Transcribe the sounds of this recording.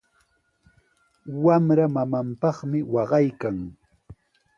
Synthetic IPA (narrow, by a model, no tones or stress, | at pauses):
wamɾamamampɑχmɪwɑɢɑjkaŋ